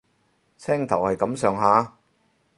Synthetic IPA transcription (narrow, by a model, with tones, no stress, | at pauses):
t͡sʰɛː˥ŋt̪ʰɐ˨˩whɐ˨jkɐ˨˥msœː˨˧ŋɦaː˨˧˥